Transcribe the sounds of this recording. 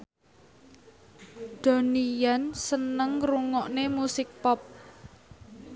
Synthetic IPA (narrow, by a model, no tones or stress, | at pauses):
d̥o̤nijansənəŋruŋɔʔnemusɪk̚pɔp̚